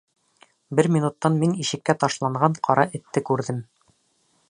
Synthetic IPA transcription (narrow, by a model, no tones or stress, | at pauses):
bɘɾmʲinut̪ːɑnminiʃɘ̆kːæt̪ɑʃlˠɑɴʁɑɴqʰɒɾʔɑʔɘ̆t̪ːɘkʉɾðɘm